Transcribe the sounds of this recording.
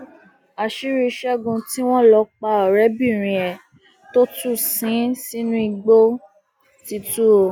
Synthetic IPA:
a˨ʃi˦ɾi˧ʃɛ˦ɡũ˧ti˦w̃ɔ̃˦lɔ˧k͡pa˧ɔ˨ɾɛ˨˦bi˦˨ɾ̃ĩ˨ɛ˨ | to˦tu˦˨sĩ˨˦si˦nũ˦i˧ɡ͡bo˦ | ti˧tu˦o˧

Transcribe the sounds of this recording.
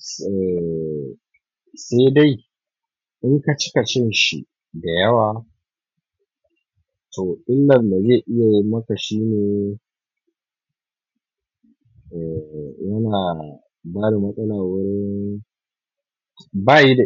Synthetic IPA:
ɛ˨ | se˦da˦˨j | ʔɪ˦ŋka˨t͡ʃɪ̥˦ka˨t͡ʃɛ˦nʃḭ˨ | da˨jɐ˦waː˨ | tʰoː˨ʔɪ˦lːɐ˨mda˨zeː˦˨ʔɪ˦ja˨jɪ˦mmɐ˦ka˨ʃiː˦neː˨ | ʔɛ˨jɐ˦naː˨ | baː˦da˨mɐ˦sʼɐ˦laː˨wʊ˦ɾɪ˦ɪ˦n | baː˦˨ji˦da˨

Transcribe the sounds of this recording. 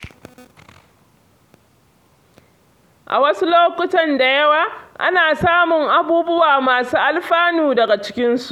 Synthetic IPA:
ʔa̰˨wɐ˦su˦loː˦kʷʊ˦tɐ˨nda˨jɐ˦waː˨ʔa̰˦naː˨saː˦mʊ˨ŋʔa˨buː˦bʊ˦waː˨maː˨suː˦ʔa˦lɸaː˦nuː˨dɐ˨ɡa˨t͡ʃɪ̥˦kʲɪ˦nsu̥˦ʔ

